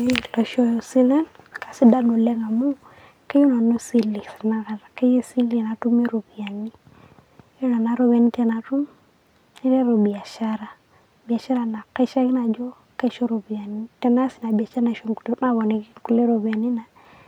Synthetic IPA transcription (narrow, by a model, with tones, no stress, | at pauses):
e˦lɔ˨ʃɔ˦ɔ˨si˦lɛ˦n | ka˨si˦da˦no˨lɛ˦ŋa˨mu˦ | ka˦jo˦na˨no˦si˦li˨sa˨na˨ɡa˨ɾa˨ka˦je˦si˦li˦˨na˨tu˦me˦ɾo˨bi˨a˨ni˦ | jo˦na˨na˨˦ɾo˦βe˨ni˦tɛ˦na˨tu˦m | i˦ɾe˦ɾo˨bi˨a˨ʃa˦ɾa˨ | bi˨a˨ʃa˦ɾa˨na˨ka˦ʃa˦ɡi˦na˨d͡ʒɔ˦ | ka˦ʃɔ˦ɾo˨bi˨a˨ni˦tɛ˦na˦si˨na˨ba˨t͡ʃa˦na˨ʃo˨mku̥˨to˨˦na˦βɔ˨ne˨ɡi˦ku˨le˦ɾo˨bi˨a˨ni˦na˨